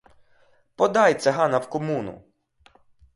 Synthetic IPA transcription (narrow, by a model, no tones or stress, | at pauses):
pɔd̪ɑjt̪sʲɛɦɑnɐwkɔmunʊ̰